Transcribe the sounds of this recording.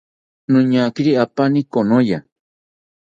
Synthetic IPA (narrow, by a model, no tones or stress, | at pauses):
nũɲakiɾiapanĩkonoja